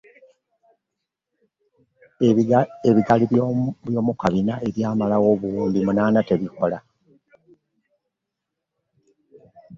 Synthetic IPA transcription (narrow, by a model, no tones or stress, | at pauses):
eeβiɡaliβjo̞ːmukaβinae̞ɾjaːmalawo̞ːβuuːndimunaːnate̞βiko̞la